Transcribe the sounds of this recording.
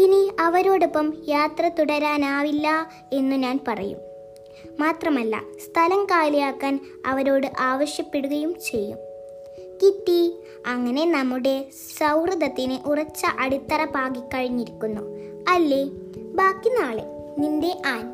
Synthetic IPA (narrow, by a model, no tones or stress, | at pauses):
iniɐʋɐɾo̞ːɽopːɐmjaːt̪rɐt̪uɽɐɾaːnaːʋilːɐ | e̞nːuɲaːnpɐrɐ̰jṵm | maːt̪rɐmɐlːɐ̰st̪ʰɐlɐŋkaːlijaːkːaːn | ɐ̰ʋɐɾo̞ːɽɨʔaːʋɐɕjɐpːe̞ɽuɣɐjumt͡ɕe̞jːṵm | kitːi | ɐŋːɐne̞nɐmːuɽe̞ | sɐwrɨðɐt̪ːinɨʔurɐt͡ɕːɐʔɐɽit̪ːɐrɐpaːɡikːɐɻiɲːiɾikʲːunːṵ | ɐlːe̞ | baːkːinːaːɭḛ | ninde̞ʔaːn